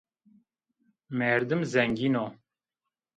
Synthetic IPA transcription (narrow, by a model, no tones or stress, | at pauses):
mɛɾd̪ɨmzɛŋɡiːno